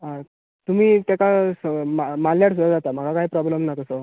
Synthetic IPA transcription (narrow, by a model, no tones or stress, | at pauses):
a | t̪um̤iːt̪akasmamaljaɽsud̪ad͡zat̪am̤əɡakaɦiːpɾɔbləmnat̪əso